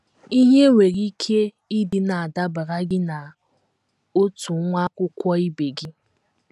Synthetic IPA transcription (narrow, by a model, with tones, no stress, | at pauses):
i˦ɦe˦ŋʷe˨ɾi˦kʰe˦ | i˦dɪ˨na˨a˨da˦ba˨ɾa˦ɡɪ˦na˨ | o˦tu˨˦ŋʷa˦kʷʊ˦kʷɔ˦i˦be˨ɡɪ˦